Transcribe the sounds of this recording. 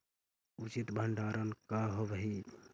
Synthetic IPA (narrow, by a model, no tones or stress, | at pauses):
ut͡ʃit̪bʱəɳɖaɾənkaɦobɦi